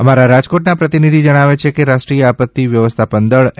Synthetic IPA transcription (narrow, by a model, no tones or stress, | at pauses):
əmaɾaɾad͡ʒkoʈnapɾət̪inid̪ʱid͡ʒəɽ̃aʋet͡ʃʰekeɾaʃʈɾijəapət̪ːiʋjəʋəst̪ʰapənd̪əɭ